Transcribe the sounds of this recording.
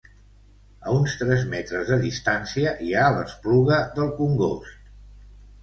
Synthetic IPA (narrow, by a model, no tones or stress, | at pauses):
ə̰unst̪ɾɛzmɛt̪ɾəzðəðist̪ansiəʔialə̰spluɣəðəlˠkuŋɡost̪